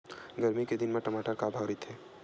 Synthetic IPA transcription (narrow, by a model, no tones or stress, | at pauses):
ɡɐɾmiked̪ɪnmẽʈɐmaːʈəɾkaːbʱaːɾit̪ʰeː